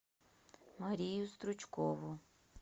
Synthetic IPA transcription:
maɾʲijust̪ɾut͡ʃkovʊ

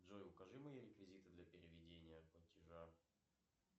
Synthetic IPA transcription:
ʐojʊkɐʐɨmɨjoɾʲɪkvʲɪzʲit̪ɨd̪lʲɐpʲɪɾʲɪvʲɪdʲenʲɪjəplˠətʲɪʐa

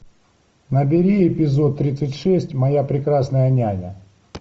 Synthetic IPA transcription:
nəbʲɪɾʲiɪpʲɪzo̞t̪ːɾʲit̪sɨtʲʂɛsʲtʲmɐjapɾʲɪkɾasnəjənʲajʲə̰

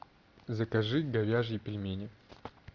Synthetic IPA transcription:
zɐkɐʐɨɡɐvʲaʐjɪpʲɪlʲmʲenʲɪ

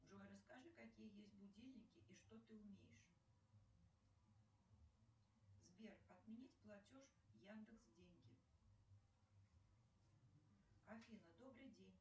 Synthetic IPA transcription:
uʐɔɾɐskaʐɨkakʲijəjesʲtʲbud͡zʲelʲnʲikʲiʔiʂt̪ɔt̪ɨumʲejɪʂ | zʲbʲerɐd̪mʲɛnʲit͡sʲplˠat͡sʲɔʂ | jand̪ɨksd͡zʲenʲkʲi | kafʲinɐd̪ɔbɾɨd͡zʲenʲ

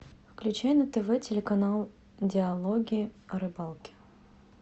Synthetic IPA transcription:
fklʲʉt͡ɕæjnət̪ɛvɛtʲɪlʲɪkɐnalˠ | dʲɪɐlˠoɡʲiːɐɾɨbalˠkʲɪ̥

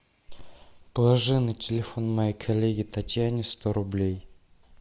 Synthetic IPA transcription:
pəlˠɐʐɨnːɨtʲɪlʲɪfo̞nmɐjejkʰɐlʲːeɡʲɪt̪ɐtʲjanʲɪst̪oɾʊblʲej

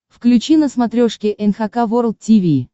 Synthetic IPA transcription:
fklʲʉt͡ɕinəsmɐt̪ɾʲoʂkʲɪʔɛnxɐkavoɾl̚ˠtʲivʲiː

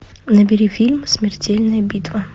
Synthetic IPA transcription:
nɐbʲɪɾʲifʲilʲmsʲmʲɪrtʲelʲnɐjɐbʲit̪vɐ

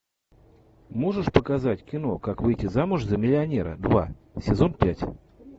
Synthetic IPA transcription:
mo̞ʐɨʂpəkazatʲkʲɪno̞kakvɨjtʲɪzamʊʐzəmʲɪlʲɪɐnʲeɾə̰d̪va̰sʲɪzo̞npʲætʲ

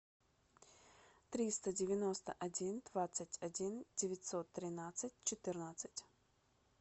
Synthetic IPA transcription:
t̪ɾʲist̪ədʲɪvʲɪno̞st̪əʔɐdʲind̪vat̪sɨtʲɐdʲindʲɪvʲɪtʲsot̪ːɾʲɪnat̪sɨtʲt͡ɕɪt̪ɨrnət̪sɨ̥tʲ

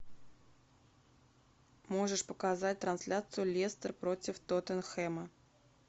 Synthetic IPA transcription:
mo̞ʐəʂpəkazat̚ʲt̪ɾɐnsʲlʲat̪sɨjʊlʲest̪ərpɾotʲɪft̪ot̪ənxɛmə

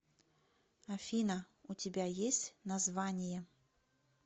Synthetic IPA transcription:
ɐfʲinɐ | ut͡sʲɪbʲajesʲt͡sʲnɐzvanʲɪjɛ

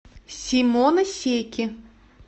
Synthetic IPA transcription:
sʲimɔnɐsʲejkʲi

